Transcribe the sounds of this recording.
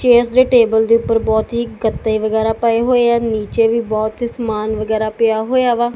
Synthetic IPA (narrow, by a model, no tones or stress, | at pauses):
t͡ʃeːsd̪eːʈeːbəld̪eːʊpːəɾbɔːt̪ɦiɡət̪ːeiʋəɡɛːɾaːpəeɦoːeɛːniːt͡ʃeːʋiːbɔːt̪ɦiːsəmaːnʋəɡɛːɾaːpɪjaːɦoːjaːʋaː